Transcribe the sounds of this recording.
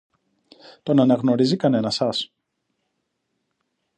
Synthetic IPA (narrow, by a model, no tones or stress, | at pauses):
t̪o̞nɐnɐɣno̞ɾizikɐne̞nɐsɐs